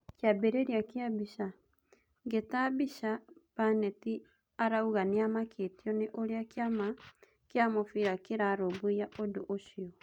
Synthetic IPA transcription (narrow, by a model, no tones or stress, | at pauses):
kjabeɾeɾiakeabiʃa | ŋɡetaβiʃapanɛti | aɾauɣaneamakʰetjɔneʔoɾeakjama | keamofiɾakeɾaɾoβoijaʔodoʔoʃiɔ